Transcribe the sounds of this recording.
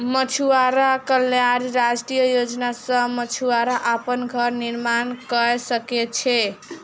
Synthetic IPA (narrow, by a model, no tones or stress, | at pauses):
mət͡ʃʰuaɾakəljaɾɾad͡ʒʈijəjod͡ʒnasə̃mət͡ʃʰuaɾaʔapənɡʱʌɾniɾmankəsəket͡ʃʰɛ